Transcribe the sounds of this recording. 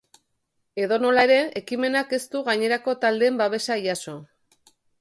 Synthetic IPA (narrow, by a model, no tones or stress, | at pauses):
e̞ðo̞no̞laeɾe̞ekime̞nake̞st̪uɣaɲe̞ɾako̞t̪ald̪e̞ːmbaβe̞saiaso̞